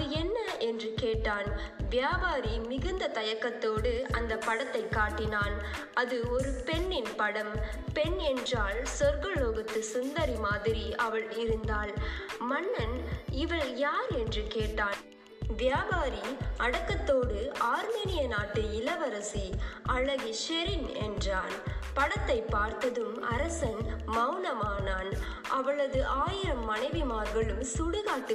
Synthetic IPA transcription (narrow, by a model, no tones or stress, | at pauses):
ɐɯɛnːɐɛndrɯkeːʈːaːnʋɪjaːbaːɾimɪɣɯnd̪ɐt̪ɐjɐkːɐt̪ːoːɽɯɐnd̪ɐpːɐɽɐt̪ːɐɪkːaːʈːɪnaːn | ɐðɯɔɾɯpɛnːɪnpɐɽɐm | pɛnɛndraːɭsɔɾɣɐɭoːɣɐt̪ːɯsʊnd̪ɐɾimaːðɪɾiɐʋɐɭɪɾɯnd̪aːlmɐnːɐnɪʋɐɭjaːɾɛndrɯkeːʈːaːn | ʋjaːbaːɾiɐɽɐkːɐt̪ːoːɽɯaːɾmeːnɪjɐnaːʈːɯɪlɐʋɐɾɐsiʔɐɭːɐɣiʃɛɾɪnɛ̰ndraːnpɐɽɐt̪ːɐɪpːaːɾt̪ɐðɯmɐɾɐsɐnmɐʊnɐmaːnaːn | ʔɐʋɐɭɐðɯʔaːjɪɾɐmːɐnɐɪʋimaːɾɣɐɭɯmsuɽɯɣaːʈːɯ